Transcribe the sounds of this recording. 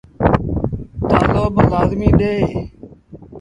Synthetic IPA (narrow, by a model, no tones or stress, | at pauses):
t̪ãːloːbəɣaːzmĩːɗeː